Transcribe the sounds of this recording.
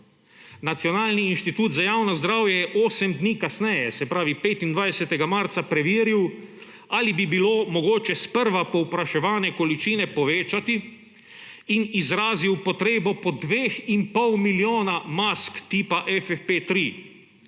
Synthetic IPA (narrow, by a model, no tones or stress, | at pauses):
nat̪sjɔnaːlniːnʃt̪it̪uːt̪zajawnɔzd̪ɾaːwjɛjɛʔoːsɛmd̪niːkasnɛjɛsɛpɾaːʋipeːt̪ind̪ʋajɛsɛt̪ɛɡamaɾt̪sapɾɛʋiːɾiw | alibibiloːmɔɡoːt͡ʃɛspəɾʋapɔwpɾaʃɛʋaːnɛkɔlit͡ʃiːnɛpɔʋeːt͡ʃat̪i | inizɾaːziwpɔt̪ɾeːbɔpɔd̪ʋeːximpɔwmiljoːnamaskt̪iːpaʔɛfɛfpeːt̪ɾiː